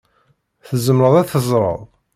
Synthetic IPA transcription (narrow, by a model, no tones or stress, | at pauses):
θəzəmɾəðˤæθəzˤɾˤə̰ðˤ